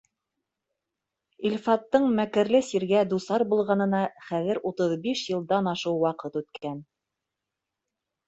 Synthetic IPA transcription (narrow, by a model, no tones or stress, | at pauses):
ilfɑt̪ːɤɴmækɘ̆ɾlɘsiɾɡæd̪usɑɾbulˠʁɑnɤ̆nɑχæðɘ̆ɾut̪ɤðbiʃjɤ̆lˠd̪ɑnɑʃɤwːɑqɤt̪ʉt̪kʰæn